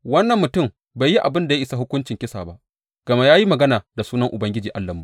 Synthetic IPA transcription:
wɐ˦nːɐ˨mːʊ˨tʊ˦˨m | ba˨jːi˦ʔa˨bɪ˦nda˨ja˦ʔɪ˦sa˦hʊ˦kʷʊ˦nt͡ʃɪ˨ŋkʲɪ˦sa̰ː˨ba˦ʔ | ɡ̥ɐ˨ma˦jaː˦ji˦mɐ˨ɡɐ˦naː˨da˨suː˦nɐ˦ŋʔʊ˨bɐ˦ŋɡʲɪ˦d͡ʒiː˨ʔa˦lːɐ˨mːu˨˦

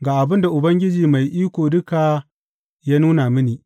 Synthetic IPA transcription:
ɡaː˨ʔa˨bɪ˦nda˨ʔʊ˨bɐ˦ŋɡʲɪ˦d͡ʒiː˨ma˨jʔiː˦kʷoː˨dʊ˦ka˨ | jaː˦nuː˦na˨mɪ˦niː˨

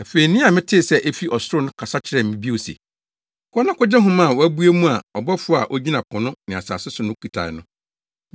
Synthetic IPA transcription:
æ˨fe˨i˨nɪ̃˦a˨mɪ̃˦tʰɪ˦˨sɛ˦ʔe˦fi˦ʔɔ˨sʊ˦ɾʊ˦nʊ̃˦kʰa˨sa˦t͡ɕʰɪ˨ɾɛ˨m̩˨mĩ˦bi˦o˨sḛ˨˦ | kʰɔ˦nã˦kʊ˦d͡ʑɛ˦ɦʊ̃˦mã˦˨wæ˦bu˦e˦mũ˦a˨ɔ˨bɔ˦fʊ˦˨a˨ʔo˦d͡ʑi˦nã˨pʰʊ̃˨nʊ̃˦nɪ̃˨a˨sa̰ː˨sɪ˦sʊ˨nʊ̃˦kʰi˨tʰa̰˨ɪ̰˨nʊ̃˦

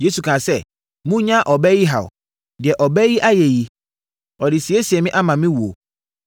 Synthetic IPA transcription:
je˦su˨kʰã˨sɛ˦˨ | mũ˦ɲã˦ʔɔ˨bɛ˦ji˦ɦa̰˨w̰ | dɪ˨ɛ˨ʔɔ˨bɛ˦ji˦ʔa˦jɛ˨ji˨ | ɔ˨dɪ˨si˨e˦si˨ɛ˨mɪ̃˦ʔa˦mã˨mɪ̃˦wu˨o˨

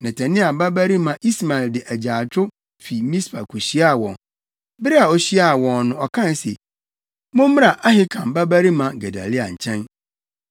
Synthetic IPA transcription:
nɛ̃˨tʰæ̃˨nɪ̃˦a˨ba˦bæ˦ɾi˦mã˨ʔi˦sma˨ɪ˨ldɪ˨ʔæ˨d͡ʑaː˨t͡ɕʰʊ˦ | fi˨mĩ˦spʰa˨kʰu˨ɕi˦a˦˨wɔ̰̃˨ŋ | bɪ˦ɾɪ˦a˨ɔ˨ɕi˦a˦˨wɔ̃˨nnʊ̃˦ɔ˨kʰã˦n˦sḛ˨ | mʊ̃˦mm̃˦a˨ʔa˦ɦɪ˦kʰã˨mba˦bæ˦ɾi˦mã˨ɡɛ˨da̰˨li˦a̰˨ɲ̩˨t͡ɕʰɛ̃˦n

